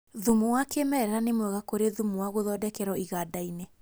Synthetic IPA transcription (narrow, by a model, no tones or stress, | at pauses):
ðumowakemɛɾɛɾanemwɛɣakoɾeðumuwaɣoðɔdɛkɛɾɔiɣadaine